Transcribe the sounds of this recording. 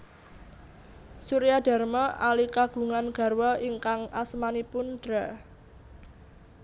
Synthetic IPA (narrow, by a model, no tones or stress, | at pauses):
suɾijad̥a̤rmɔʔalikaɡ̥ṳŋanɡ̥a̤rwɔʔiŋkaŋasmanipʊnd̥ɾa